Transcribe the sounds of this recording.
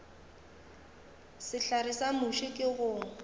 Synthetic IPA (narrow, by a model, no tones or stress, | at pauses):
sɪɬarɪsamʊʃɪkʼɪɣʊ